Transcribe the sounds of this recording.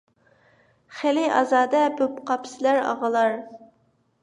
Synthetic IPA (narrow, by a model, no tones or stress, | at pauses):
χelɪɑzɑːd̪ɛbøpqʰɑpsɪlæɾɑ̰ʁəlˠɑɾ